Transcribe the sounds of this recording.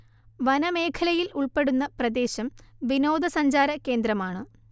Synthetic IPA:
ʋɐnɐme̞ːkʰɐlɐjiluɭpe̞ɽunːɐprɐd̪e̞ːɕɐmʋino̞ːd̪ɐsɐɲd͡ʑaːɾɐke̞ːnd̪ɾɐmaːɳɨ

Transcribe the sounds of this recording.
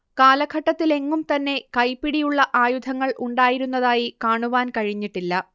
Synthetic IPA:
kaːlɐɡʱɐʈːɐt̪ːile̞ŋːumt̪ɐnːe̞kɐjpːiɽijuɭːɐʔaːjud̪ʱɐŋːɐɭʔuɳɖaːjiɾunːɐðaːjikaːɳuʋaːnkɐɻiɲːiʈːilːɐ

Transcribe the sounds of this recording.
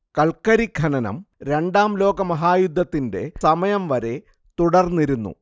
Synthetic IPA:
kɐlkɐɾiɡʱɐnɐnɐ̰mɾe̞ɳɖaːmlo̞ːɡɐmɐɦaːjud̪ʱːɐt̪ːinde̞̰sɐmɐjɐmʋɐɾe̞ | t̪uɽɐrnːiɾunːṵ

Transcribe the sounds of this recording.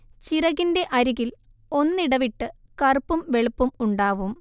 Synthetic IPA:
t͡ɕirɐɣinde̞ʔɐɾiɣil | o̞nːiɽɐʋiʈːɨkɐrpːumʋe̞ɭupːumuɳɖaːʋum

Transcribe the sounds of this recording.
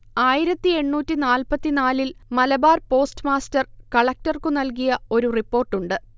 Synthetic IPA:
aːjiɾɐt̪ːie̞ɳːuːtːinaːlpɐt̪ːinaːlilmɐlɐbaːrpo̞ːstɨmaːstɐrkɐɭɐk̚tɐrkunɐlkijɐo̞ɾuripːo̞ːrʈːuɳɖɨ

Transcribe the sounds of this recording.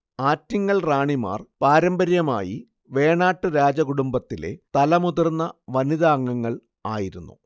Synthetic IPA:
aːtːiŋːɐɭraːɳima̰ːrpaːɾɐmbɐɾjɐma̰ːjḭ | ʋe̞ːɳaːʈːɨɾaːd͡ʑɐkuɽumbɐt̪ːile̞̰t̪ɐlɐmuðɐrnːɐʋɐniðaːŋːɐŋːɐɭ | a̰ːjiɾunːṵ

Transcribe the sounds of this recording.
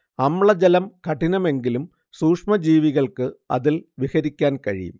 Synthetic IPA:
ɐmɭɐd͡ʑɐlɐmkɐʈːinɐme̞ŋɡilum | suːkʂmɐd͡ʑiːʋiɣɐɭkɨɐ̰ðilʋiɣɐɾikʲːaːnkɐɻḭjṵm

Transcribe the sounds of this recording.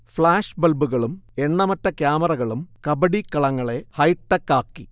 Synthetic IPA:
fɭaːʂbɐlbuɣɐɭume̞ɳːɐmɐtːɐkjaːmɐrɐɣɐɭumkɐbɐɽikːɐɭɐŋːɐɭe̞hɐjʈːɐkːaːkːḭ

